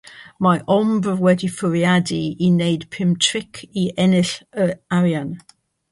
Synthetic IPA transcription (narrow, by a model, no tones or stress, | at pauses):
majʔɔmbəvwɛdifʊɹiadiinejdpʰɪmtʰɹɪkʰiɛnɪɬəaɹjan